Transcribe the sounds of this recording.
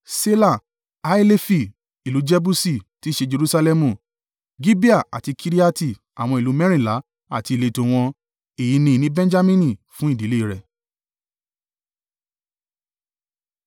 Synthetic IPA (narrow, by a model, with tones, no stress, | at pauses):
se˦la˦˨ | a˦i˦le˦fi˦˨ | i˨lu˨˦d͡ʒɛ˦bu˦si˦˨ti˦ʃe˧d͡ʒe˧ɾu˦sa˧lɛ˧mũ˨ | ɡi˦bi˦a˦˨a̰˨ti˧kʰi˧ɾi˦a˦ti˦˨ | a̰˨w̃ɔ̃˧i˨lu˨˦mɛ̃˦ɾĩ˦˨la˨˦ | a̰˦˨ti˧˨le˧˨to˧w̃ɔ̃˧ | e˨ji˨˧˦nĩ˧nĩ˦bɛ̃˦d͡ʒa˦mĩ˦nĩ˨fũ˨˦i˦˨di˨˦le˦˨ɾɛ˨